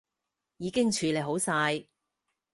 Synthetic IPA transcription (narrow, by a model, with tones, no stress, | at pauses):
jiː˨˧kɪ˥ŋt͡ʃʰyː˨˧le˨jɦo˨˥wsaː˧j